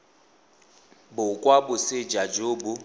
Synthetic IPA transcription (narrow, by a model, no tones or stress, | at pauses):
bʊkʼwabʊsɪd͡ʒad͡ʒoːbʊ